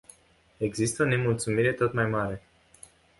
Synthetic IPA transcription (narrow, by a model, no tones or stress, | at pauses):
e̞ɡzist̪əone̞mult̪sumiɾe̞t̪o̞t̪majmaɾe̞